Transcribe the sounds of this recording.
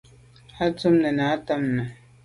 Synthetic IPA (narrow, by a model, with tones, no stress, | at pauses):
a˦t͡su˦mnə˨na˨˦ta˦mnə˨